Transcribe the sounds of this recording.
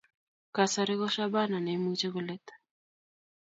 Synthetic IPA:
ka˨sa˨ɾi˦ɣɔ˦ʃa˦ba˦na˨nɛ˨˦mut͡ʃɛ˦ɣu˦lɛ˦t̪ḁ

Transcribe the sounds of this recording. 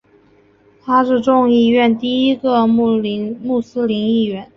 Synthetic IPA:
t̪ʰa˥ʂɻ̩˥˧ʈ͡ʂʊ˥˧ŋi˥˧ɥɛ˥˧nt̪i˥˩i˥ɡə˧˥ | mu˥˩sɹ̩˥li˧˥ni˥˩ɥɛ˧˥n

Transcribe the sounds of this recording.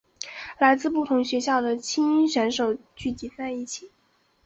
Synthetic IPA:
la˧˥ɪt͡sɹ̩˥˧pu˥˩t̪ʰʊ˧˥ŋɕɥɛ˧˥ɕjɑ˥˩ʊd̪ə˩t͡ɕʰi˥ŋi˥nɕɥɛ˧˥nʂo˨˩ʊt͡ɕy˥˩t͡ɕi˧˥t͡sa˥˧ɪi˥˩t͡ɕʰi˨˩˦

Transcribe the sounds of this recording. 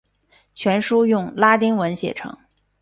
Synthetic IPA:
t͡ɕʰɥɛ˧˥nʂu˥jʊ˥˩ŋla˥t̪i˥ŋwə˧˥nɕjɛ̰˥˩ʈ͡ʂʰɤ̰˧˥ŋ

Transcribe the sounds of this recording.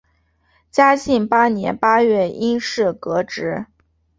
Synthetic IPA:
t͡ɕja˥ɕi˥˩ŋpa˥njɛ̰˧˥npa˥ɥɛ˥˩i˥nʂɻ̩˥˩kɤ˧˥ʈ͡ʂɻ̩˧˥

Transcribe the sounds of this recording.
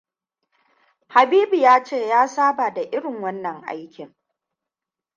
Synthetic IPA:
ha˨biː˦bi˨jaː˦t͡ʃeː˦˨jaː˦saː˦ba˨da˨ʔɪ˦ɽɪ˨ŋwɐ˦nːɐ˨ŋʔa̰˦jkʲɪ˨ŋ

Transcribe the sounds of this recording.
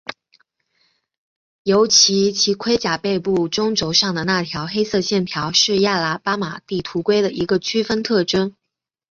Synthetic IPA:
jo˧˥ʊt͡ɕʰi˧˥t͡ɕʰi˧˥kʰwe˥ɪt͡ɕja˨˩pe˥˧ɪpu˥˩ʈ͡ʂʊ˥ŋʈ͡ʂo˧˥ʊʂɑ˥˩ŋd̪ə˩na˥˩t̪ʰjɑ˧˥ʊxe˥ɪsɤ˥˧ɕjɛ˥˩nt̪ʰjɑ˧˥ʊʂɻ̩˥˧ja˥˩la˧˥pa˥ma˨˩t̪i˥˩t̪ʰu˧˥kwe˥ɪd̪ə˨ʔi˧˥ɡə˧t͡ɕʰy˥fə˥nt̪ʰɤ˥˩ʈ͡ʂə˥n

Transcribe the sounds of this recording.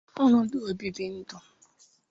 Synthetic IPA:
ɔ˦nʊ̃˨˦du˦o˨bi˦bi˦n̩˦dʊ˨

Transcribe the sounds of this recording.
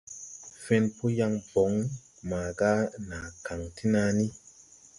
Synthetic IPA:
fɛ˧npo˦ja˧ŋbɔ˨˦ŋ | maː˨ɡa˦na˨ka˨ŋtʰi˦na˧ni˦

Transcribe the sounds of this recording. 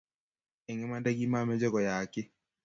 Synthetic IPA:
e˨ŋɛ˦ma˦nde˦ɡi˦ma˦˨mɛ˦d͡ʒɔ˦ɡɔ˨ja˨kɪ˦

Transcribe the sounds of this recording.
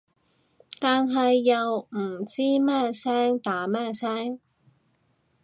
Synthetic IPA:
t̪aː˨nɦɐ˨jːɐ˨wm̩˨˩t͡siː˥mɛː˥sɛː˥ŋt̪aː˨˥mɛː˥˩sɛː˥ŋ

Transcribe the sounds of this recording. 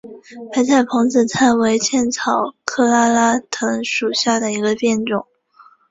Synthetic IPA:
pʰa˧˥ɪt͡sʰa˨˩ɪpʰɤ˧˥ŋt͡sɹ̩˨˩t͡sʰa˥nwe˧˥ɪt͡ɕʰjɛ˥˩nt͡sʰɑ˨˩ʊkʰɤ˥˧la˥la˥t̪ʰɤ˧˥ŋʂu˨˩ɕja˥˩d̪ə˩i˧˥ɡə˧pjɛ˥˩nʈ͡ʂʊ˨˩˦ŋ

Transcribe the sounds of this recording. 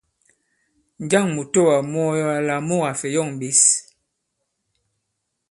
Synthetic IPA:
n˨d͡ʒa˦˨ŋmu˨to˦˨wa˨mɔ˦jɔ˦a˨la˨mo˦˨ɣa˨fɛ˨jɔ˦˨ŋ˨ɓi˦s

